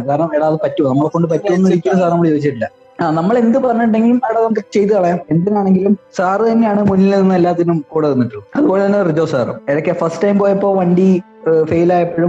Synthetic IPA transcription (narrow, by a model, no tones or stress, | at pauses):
kaːɾɐɳɐmeːɽaːðɨpɐtːunɐmːɐɭekːo̞ɳɖɨpɐtːuonːiɽikʲːulːɐms̬aːrnɐmːɐɭɨt͡ɕo̞ːit͡ɕːiʈ̬ːilːɐ | aːnɐmːɐɭe̞nd̪ɨpɐrɐɲːuɳɖe̞ŋɡilumeɽaːðɐmkːt͡ɕe̞jt̪̬ːɨɐɭɐjame̞nd̪ɐnaːɳe̞ŋɡilumsaːrɨt̪ɐnːe̞jaːɳɨmunːilinːɨɐlːaːt̪ːɐnumkuːɽɐɐðunːɐʈːulɐɐðubo̞ːɭet̪ɐnːerid͡ʑoːsa̰ːrɐ̰meɽɐkʲːefɐsʈʈɐjmboːjɐipːo̞ːɭʋɐɳɖi | fejilaːjɐpːeːɻu